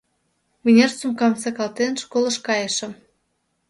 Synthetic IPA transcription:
munʲert͡sumkɑmsɑkɑlt̪enʃkolə̆ʃkɑjə̆ʃə̆m

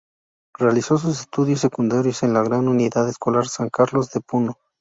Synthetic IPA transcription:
re̞aliso̞s̬us̬est̪uðjos̬ːekund̪aɾjo̞se̞nlaɣɾanuniðaðesko̞laɾsaŋkaɾlo̞zðe̞puno

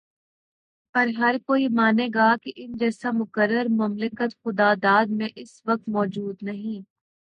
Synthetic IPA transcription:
pɐɾɦɐɾkoːimaːneːɡaːkeʔɪnd͡ʒɛːsamʊkəɾːəɾmɐmlɪkət̪xʊd̪aːd̪aːd̪mẽʔɪsʋɐk̚t̪mɔːd͡ʒuːd̪nɐɦĩː

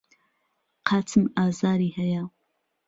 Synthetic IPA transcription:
qʰɑːtʰɨmaːzaːɾiːhɐja

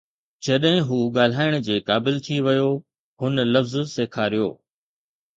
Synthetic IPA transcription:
d͡ʑɐɗɦɪ̃ɦuːɠaːl̤aːɪɽ̃̆d͡ʑeːkaːbɪlt̪ʰiʋɐjo | hʊnəlɐfzseːkʰaːɾijo̰ː

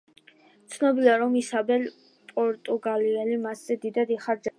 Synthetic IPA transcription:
t̪sʰnɔbiliaɾɔmisabɛl | pʼɔɾt̪ʼuɡaliɛlimasz̥ɛd̪id̪ad̪iχaɾd͡ʒ

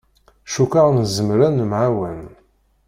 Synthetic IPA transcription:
ʃukaʁnzəmɾænmʕawæn

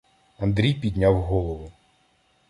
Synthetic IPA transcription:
ɐnd̪ɾʲijpʲid̪ʲnʲawɦɔlˠɔʋʊ

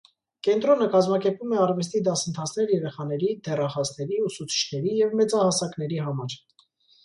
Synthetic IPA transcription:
kɛnt̪ɾɔnəkɑzmɑkɛɾpumɛɑɾvɛs̬t̪id̪ɑsənt̪ʰɑt͡sʰnɛɾjɛɾɛχɑnɛɾid̪ɛrɑχɑsnɛɾiusut͡sʰi̥t͡ʃʰnɛɾijɛvmɛt͡sɑhɑsɑkn̪ɛɾiɦɑmɑɾ

